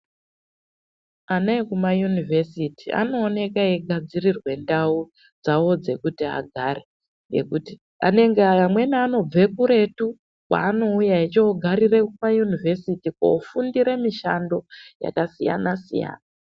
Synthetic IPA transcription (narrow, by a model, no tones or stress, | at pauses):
anaekumajunivʱe̞sitia̰no̞ːne̞kaeɡʱad͡zirirwe̞ndau | d͡zawo̞d͡ze̞kutia̰ɡʱaɾe | jḛkuti | a̰ne̞ŋɡeamwe̞naːno̞b͡ve̞kuɾe̞tu | kwa̰ːno̞ujaet͡ʃooɡʱaɾire̞kumajunivʱe̞sitiko̰ufundiɾe̞miʃando̞ja̰kasija̰nasḭja̰ːna